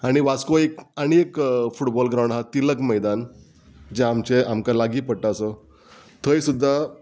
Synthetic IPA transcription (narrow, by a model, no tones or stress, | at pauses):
aɽ̃iʋat͡skoekaɽ̃iekfuʈbɔlɡɾaw̃ɳɖɦat̪iləkməjd̪an | d͡ʑeamt͡ɕeamkalaɡiːpəɽʈaəsɔ | t̪ʰəjsud̪ʱːa